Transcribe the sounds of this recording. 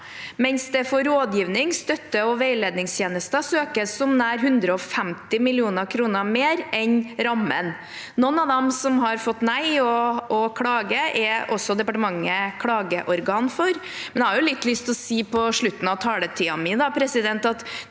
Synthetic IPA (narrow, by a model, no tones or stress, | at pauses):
mɛnsd̪ɛfɔɾoːd̪jiːʋnɪŋst̪œt̪ːəɔʋeɪleːd̪nɪŋst̪ʰjeːnəst̪əsøːkəsɔmnæːɾɦʉnd̪ɾəɔfæmt̪ɪmɪlɪuːnəɾkʰɾuːnəɾmeːɾɛnɾɑmːə̰n | nɔnːɑd̪ɛmsɔmɦɑɾfɔt̪ːnæɪɔɔkʰɽɑːɡəʔɛʔɔsːɔd̪ɛpɑʈəmɑŋːəkʰɽɑːɡəʔɔɾɡɑːnfɔɾ | mɛnɛhɑɾjʊlɪt̪ːlʏst̪ʰɔsiːpʰɔʂɭʉt̪ːn̩ɑʋt̪ʰɑːlət̪ʰiːɑmɪd̪ɑpʰɾɛsɪd̪ɛnt̪ɑt̪